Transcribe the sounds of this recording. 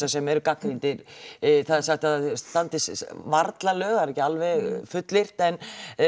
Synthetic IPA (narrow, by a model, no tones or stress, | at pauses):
asɛmɛɾʏkakɾint̪ɪɾθaðsaht̪aðst̪ant̪ɪsvaɾt̪lalœːɣaɾɛhcɪalvɛɣfʏt̪lɪr̥t̪ɛn